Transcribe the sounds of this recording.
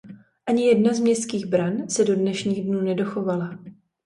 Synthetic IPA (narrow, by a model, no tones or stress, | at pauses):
ʔaɲɪjɛdnazmɲɛst̪kiːɣbɾansɛdo̞dnɛʃɲiːɣdnuːnɛdo̞xo̞vala